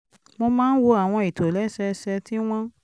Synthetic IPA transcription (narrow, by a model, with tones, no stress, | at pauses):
mo˧mãː˦n̩˦wo˧a˨w̃ɔ̃˧i˨to˨lɛ˦ʃɛ˧˦ʃɛ˧ti˦w̃ɔ̃˦